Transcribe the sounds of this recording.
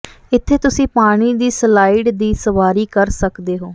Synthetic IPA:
ɪt̪ʰːeːt̪ʊsĩːpaːɽ̃iːd̪iːslaːiɖd̪iːsəʋaːɾiːkəɾsəkd̪eːɦoː

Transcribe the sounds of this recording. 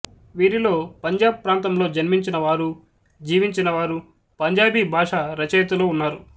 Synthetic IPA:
ʋiːɾilo̞ːpɐɲd͡ʒaːbpːɾaːnt̪ɐmlo̞ːd͡ʒɐnmiɲt͡ʃinɐʋaːɾu | d͡ʒiːʋiɲt͡ʃinɐʋaːɾu | pɐɲd͡ʒaːbibʱaːʂaɾɐt͡ʃɐjɐt̪ulo̞ːunːaːɾu

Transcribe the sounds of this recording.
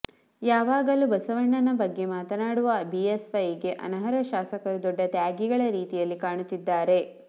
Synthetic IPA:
jaːʋaːɡɐluːbɐsɐʋɐɳːɐnɐbɐɡːe̞maːt̪ɐnaːɽuʋɐbiesʋɐjɡe̞ʔɐ̰nɐɦɐɾɐʃaːsɐkɐɾud̪ɔɖːɐt̪jaːɡiɡɐɭɐɾiːt̪ijɐlːikaːɳut̪ːid̪ːaːɾe̞

